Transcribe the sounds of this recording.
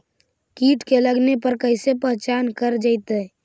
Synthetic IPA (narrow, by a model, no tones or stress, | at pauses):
kiːʈkeləɡnepəɾkəɪsepəɦt͡ʃaːnkəɾd͡ʒaɪt̪ə